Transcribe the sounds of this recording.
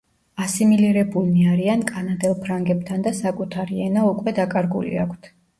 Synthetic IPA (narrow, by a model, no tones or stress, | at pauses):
asimiliɾɛbulˠniaɾiankʼanad̪ɛlˠpʰɾaŋɡɛb̚t̪ʰand̪asakʼut̪ʰaɾiɛnaukʼwɛd̪akʼaɾɡṵlḭakʷʰt̪ʰ